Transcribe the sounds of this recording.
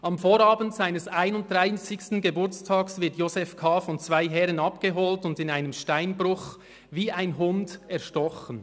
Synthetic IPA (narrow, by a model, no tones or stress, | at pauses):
ʔɑmfoːɾɑːbən̩tz̥aɪnəsaɪnʊnt̚d̥ʁaɪsɪçstn̩ɡebʊɐt͡stʰɑːksvɪɐtjoːzɛfkʰaːfɔnt͡sv̥aɪɦɛʁənɑpɡ̥əɦoːltʊndɪnaɪnəmʃtaɪnbɾʊχ | viːaɪnɦʊndɛɐʃtɔχən